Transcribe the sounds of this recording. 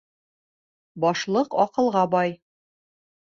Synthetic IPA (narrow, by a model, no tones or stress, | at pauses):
bɒʃlˠɤqɒqɤ̆lˠʁɑbɒj